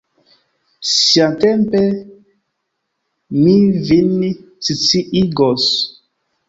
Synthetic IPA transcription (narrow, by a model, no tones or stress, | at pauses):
siatempe | mivini | t͡sit͡siʔiɡos